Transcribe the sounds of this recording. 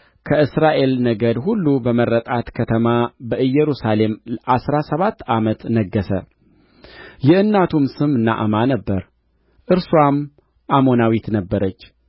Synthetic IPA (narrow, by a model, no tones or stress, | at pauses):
kʰəʔɨsɾaʔe̞lnəɡəd̪ɦulːubəmərːət̪ʼat̪kʰət̪ʰəmabəʔɨjːɛɾusale̞mʔasɾasəβat̪ːamət̪nəɡːəsə | jɪhɨnːat̪ʰumsɨmɨnːa̰ʔɨmanəbːəɾ | ʔɨɾswam | ʔamo̞nawit̪nəbːəɾət͡ʃː